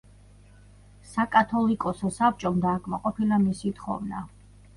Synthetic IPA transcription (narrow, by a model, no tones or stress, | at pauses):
sakʼat̪ʰɔlikʼɔsɔsap̚t͡ʃʼɔmd̪aːkʰʼmaqʼɔpʰilamisit̪χɔ̰vna